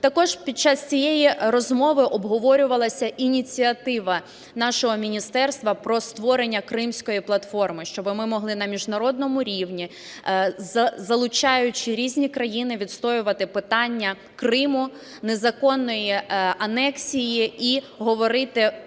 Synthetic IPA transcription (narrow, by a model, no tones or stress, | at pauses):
t̪ɐkɔʒpʲid̪̚t͡ʃːɑst͡sʲijejirɔzmɔʋɪʔɔbɦɔʋɔɾʲʊʋɐlˠɐsʲɐʔinʲit͡sʲiɐt̪ɪʋɐ | nɑʃɔɦɔmʲinʲist̪ɛrst̪ʋɐpɾɔst̪ʋɔɾenʲːɐkɾɪmsʲkɔjiplˠɐt̪fɔrmɪʃt͡ʃɔbɪmɪmɔɦlˠɪnɐmʲiʒnɐɾɔd̪̚nɔmʊɾʲiwnʲi | zɐzɐlˠʊt͡ʃɑjʊt͡ʃɪɾʲizʲnʲikɾɐjinɪʋʲid̪st̪ɔjʊʋɐt̪ɪpɪt̪ɑnʲːɐ | krɪmʊ | nezɐkɔnːɔjiɐnɛksʲijii | ɦɔʋɔɾɪt̪ɪ